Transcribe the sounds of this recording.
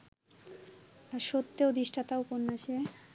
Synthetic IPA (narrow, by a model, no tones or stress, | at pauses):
aʃot̪ːeod̪iʃʈʰat̪auponːaʃe